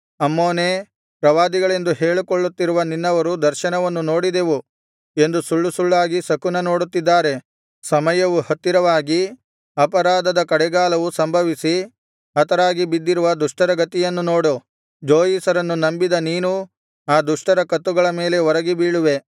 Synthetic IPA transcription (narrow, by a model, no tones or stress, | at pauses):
ɐmːoːneː | pɾɐʋaːd̪iɡɐɭe̞nd̪uɦeːɭukoɭːut̪ːiɾuʋɐninːɐʋɐɾud̪ɐɾʃɐnɐʋɐnːuno̞ːɽid̪e̞ʋu | e̞nd̪usuɭːusuɭːaːɡisɐkunɐno̞ːɽut̪ːid̪ːaːɾe̞ | sɐmɐjɐʋuhɐt̪ːiɾɐʋaːɡi | ɐpɐɾaːd̪ɐd̪ɐkɐɽɛɡaːlɐʋusɐmbʱɐʋisi | ɐt̪ɐɾaːɡibid̪ːiɾuʋɐd̪uʂʈɐɾɐɡɐt̪ːijɐnːuno̞ːɽu | d͡ʒoːjiːsɐɾɐnːunɐmbid̪ɐniːnu | aːd̪uʂʈɐɾɐkɐt̪ːuɡɐɭɐme̞ːle̞ʋɔɾɐɡibiːɭuʋe̞